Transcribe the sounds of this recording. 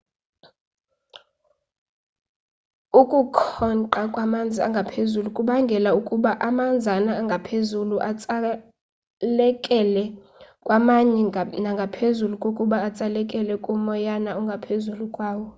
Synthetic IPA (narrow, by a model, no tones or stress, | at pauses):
ukʼukʰɔnǃakʼwamand͡zʱia̰ŋɡʱapʰezulukʼuɓaŋɡʱɛlaukʼuɓaʔamand͡zʱanaːŋɡʱapʰezuluʔat͡sʼa | lɛkʼɛlɛ | kʼwamaɲɛnaŋɡʱapʰezulukʼokʼuɓaːt͡sʼalɛkʼɛlɛkʼumɔjanauŋɡʱapʰezulukʼwaːwɔ